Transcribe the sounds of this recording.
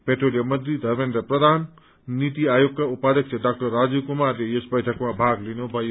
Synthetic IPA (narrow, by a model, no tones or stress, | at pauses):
peʈrolijʌmʌd̪ɾid̪ʱʌrmend̪ʌprʌd̪ʱan | nit̪iajoɡkaupad̪jʌk̚t͡sʰeɖak̚ʈʌrːad͡zukumarlejesbʌjʈʰʌkmabʱaɡlinubʱʌjo